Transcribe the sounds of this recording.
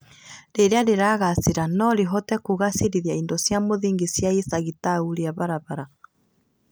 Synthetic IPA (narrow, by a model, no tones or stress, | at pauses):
ɾeɾeaɾeɾaɣaseɾanɔɾeɦɔtɛkoɣaseɾiðjaindosjamoðiːŋɡesjaesaɣitauɾeaβaɾaβaɾa